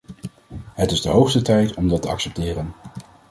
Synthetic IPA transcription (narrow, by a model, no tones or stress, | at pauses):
ɦətɪzdəɦowχstətɛjtɔmdɑtəɑ̰ksɛp̚tɪːrən